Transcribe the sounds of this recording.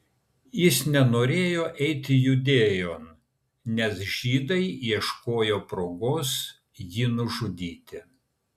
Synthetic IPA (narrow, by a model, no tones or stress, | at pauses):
jɪsnʲɛnoːɾʲeːjoːʔɛɪt̪ʲɪjʊd̪ʲeːjoːn | nʲɛsʒʲiːd̪ɐɪiɛʃkoːjoːpɾoːɡoːs | jɪnʊʒʊd̪ʲiːt̪ʲɪ